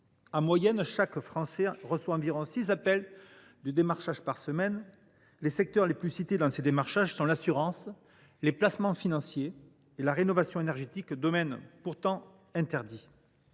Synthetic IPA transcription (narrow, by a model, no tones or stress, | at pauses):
ɑ̃mwajɛnʃakfχɑ̃sɛʁəswaɑ̃viʁɔ̃sizapɛl | d̪əd̪emaʁʃaʒpaʁsəmɛn | lesɛk̚t̪œʁleplysit̪ed̪ɑ̃sed̪emaʁʃaʒsɔ̃lasyʁɑ̃s | leplasmɑ̃finɑ̃sjeː | laʁenɔvasjɔ̃enɛʁʒet̪ikd̪ɔmɛnpuʁt̪ɑ̃ | ɛ̃t̪ɛʁd̪i